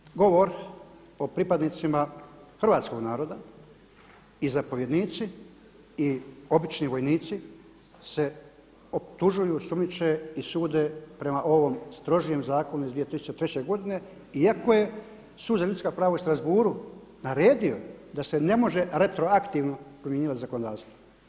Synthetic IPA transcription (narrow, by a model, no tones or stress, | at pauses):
ɡo̞ʋo̞ɾ | o̞pɾipad̪nit̪simaxr̩ʋaːt̪sko̞ɡnaːɾo̞d̪a | izapo̞ʋje̞d̪niːt̪si | io̞bit͡ʃniʋo̞jniːt̪si | se̞ | opt̪uʒujusumit͡ʃeisuːd̪e̞pɾe̞maʔo̞ʋo̞mst̪ɾo̞ʒije̞mzaːko̞nuizd̪ʋije̞t̪ɾisu̥t͡ʃːt͡ɕet̪ɾe̞t͡ɕe̞ɡo̞d̪ine̞ | iako̞je̞ | suːd̪zaʎut̪skapɾaːʋaust̪ɾazbuːɾu | naɾe̞ːd̪io̞d̪ase̞ne̞mo̞ʒe̞ɾe̞t̪ɾo̞akt̪iːʋno̞pɾomje̞ɲiːʋat̪izako̞nod̪aːʋst̪ʋo